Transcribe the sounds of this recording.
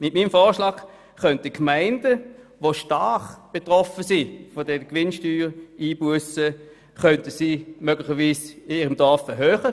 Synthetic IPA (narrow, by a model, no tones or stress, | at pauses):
mɪtmiːmfɔːʃlɑːk | χœntəkʰmaɪndəʋoʃtaχb̥etʁɔfəsifodɛnkʋɪnʃtyːʁiːbuəsə | χœntəsimøɡlɪχəʋiːsɪniːʁəmd̥ɔɐfɛɦøːχə